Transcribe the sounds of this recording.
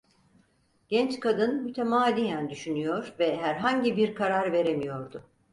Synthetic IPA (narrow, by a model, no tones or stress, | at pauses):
ɟ̥ɛnt͡ʃkʰad̪ɯnmyt̪ʰemaːd̪ʲijænd̪yʃynyjo̞ɾvɛɦæɾɦaɲɟibiɾkʰaɾaɾve̞ɾemijo̞ɾd̪ʊ